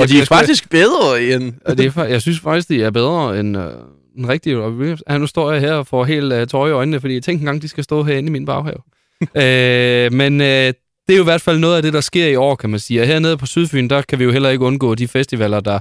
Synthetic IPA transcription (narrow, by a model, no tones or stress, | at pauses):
ɒd̥iæɐfɑ̈ɡ̥d̥isɡ̥̚b̥eðˠʁɐend̥eæɐfjɑ̈ɪsynsfɑ̈ɡ̥d̥isɡd̥iæɐb̥eð̞ˠʁɐenø̥ | enʁɛɡ̥̚d̥ii̥e̥ænusd̥ɔ̰ɐ̰jɑɦeɐ̰ɒfɒɦe̝̰ːld̥t͡sʰɒɪiɒ̽ɪnnəfɒ̽dḭːjat͡sʰeŋ̰ɡ̥en̩ɡ̥ɑ̈ŋ̰d̥isɡ̥æsd̥ɔ̰̽ːɦeɐ̰e̝niminb̥ɑ̈ʊhɛ̰ʊ | ømenø | d̥e̝æjoiʋæɐd̥fæl̰nɔ̽ːð̩ˠæd̥e̝ɾ̥ɑ̈sɡ̥e̝ɐ̰iɒ̰ːkʰæmænsiːɒ̽ɦeɐ̰ne̝ð̞̩ˠpʰɒ̽syð̞ˠfy̰ːn̩d̥ɑ̈kʰæʋijo̝ɦel̰ɐe̝ɡ̥əɔ̽nɡ̥ɔ̰ːd̥ifesd̥iʋɛl̰ɐd̥ɑ̈